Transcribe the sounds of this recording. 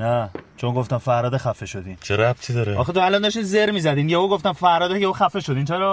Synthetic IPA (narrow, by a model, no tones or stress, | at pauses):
næt͡ʃʰonɡoft̪ænfæɾɒːd̪exæfeʃo̞d̪iːnt͡ʃʰeɾæb̚t̪ʰid̪ɒɾeɒːxet̪ʰoælɒnd̪ɒʃt̪iːnzeɾmiːzæd̪iːnjɛvoɡoft̪ænfæɾɾɒːd̪æjeoxæfeʃod̪iːnt͡ʃʰeɾɒː